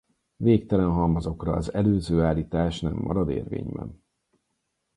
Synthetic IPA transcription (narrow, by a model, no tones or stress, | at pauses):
veːk̚t̪ɛlɛnɦɒmɒzo̞krɒːzɛløːzøːaːlːiːt̪aːʃnɛmːɒ̰ɾɒd̪ḛːrvḛːɲbɛ̰n